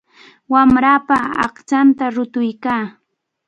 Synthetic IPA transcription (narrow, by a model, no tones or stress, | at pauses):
wamɾaːpaɑ̰χt͡ʃant̪aɾʊt̪ʊjkaː